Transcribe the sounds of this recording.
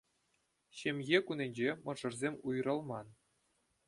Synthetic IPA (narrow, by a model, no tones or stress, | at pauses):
ɕemʲjekunʲenʲd͡ʑemɤ̆ʐɤ̆rzʲemʲujrɤ̆lˠmɑn